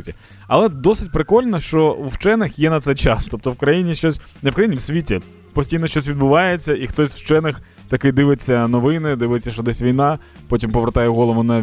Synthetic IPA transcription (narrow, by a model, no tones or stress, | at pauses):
tʲi | ɐlˠɛd̪ɔsɪtʲpɾɪkɔlʲnɔʃt͡ʃɔuwt͡ʃɛnɪxjɛnɐt̪sɛjt͡ʃɑst̪ɔp̚t̪ɔwkɾɐjinʲiʃt͡ʃɔsʲ | nɛwkɾɐjinʲiwsʲʋʲitʲi | pɔsʲtʲijnɔʃt͡ʃɔsʲʋʲid̪̚bʊʋɑjet͡sʲːɐʔixt̪ɔsʲwt͡ʃɛnɪx | t̪ɐkɪd̪ɪʋɪt͡sʲːɐnɔʋɪnɪd̪ɪʋɪt͡sʲːɐʃt͡ʃɔd̪ɛsʲʋʲijnɑ | pɔtʲimpɔʋeɾt̪ɑjɛɦɔlˠɔʋʊnɐ